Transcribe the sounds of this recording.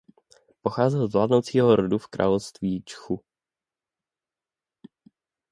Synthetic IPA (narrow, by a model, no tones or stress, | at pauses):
poxaːzɛlzvlaːdnowt͡siːɦoɾodufkɾʔa̰ːlofst̪viːt͡ʃxu